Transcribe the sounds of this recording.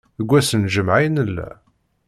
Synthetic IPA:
əɡʷːæsənʒəmʕajnəlːæ̰

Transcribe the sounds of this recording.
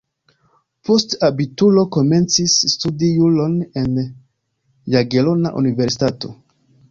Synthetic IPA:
postabitulo̞ko̞me̞nt͡sisːtudijulo̞ne̞n | jaɡe̞lo̞naʔṵnive̞ɾsi̥tato̞̰

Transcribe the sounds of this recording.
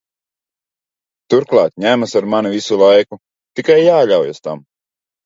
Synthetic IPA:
t̪uɾklˠɑ̰ːt̪ɲæmasaɾmanivisulˠajku | t̪ikajːaːʎʲawjast̪a̰m

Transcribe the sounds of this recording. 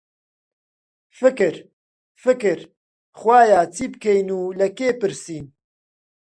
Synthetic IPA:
fɨkɨɾ | fɨkɨɾ | xwaːjaːt͡sʰiːbkʰejnuːlɐkeːpɨɾsiːn

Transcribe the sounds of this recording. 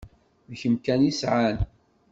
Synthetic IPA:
mçəmkænisʕan

